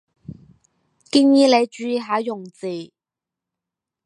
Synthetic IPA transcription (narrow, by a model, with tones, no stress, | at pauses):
ki˥njiː˥le˨˧jt͡ʃyː˨˧ji˧ɦaː˨˥jʊ˨˩ŋt͡siː˨˩